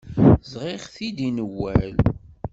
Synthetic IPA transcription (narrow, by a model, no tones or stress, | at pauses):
zʁɪʁθid̪inəwːæl